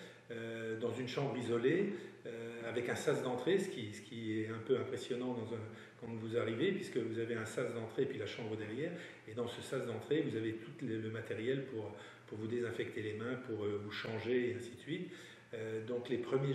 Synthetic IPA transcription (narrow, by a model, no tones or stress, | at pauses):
ød̪ɑ̃zynʃɑ̃bʁizɔleøavɛkɛ̃sasd̪ɑ̃t̪χesə̥kʲisə̥kʲiɛɛ̃pøɛ̃pχesjɔnɑ̃d̪ɑ̃zɛ̃ | kɑ̃t̪vuzaʁivepɥiskəvuzaveɛ̃sasd̪ɑ̃t̪χepɥilaʃɑ̃bʁəd̪ɛʁjɛːʁ | ed̪ɑ̃səsasd̪ɑ̃t̪χevuzavet̪ut̪lələmat̪ɛʁjɛlpuʁ | puʁvud̪ezɛ̃fɛk̚t̪elemɛ̃puʁøvuʃɑ̃ʒeːɛ̃sisɥit̪ | ød̪ɔ̃klepχəmje